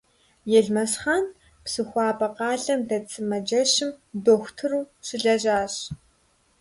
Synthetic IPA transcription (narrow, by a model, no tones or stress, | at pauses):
jɛɮmɐsχaːn | psɨxʷɑːbɐqɑːɮɐmdɐt͡sʼɨmɐd͡ʒɐʃɪmdoːxʷtʰɨruːɕɪɮɐʑaːɕ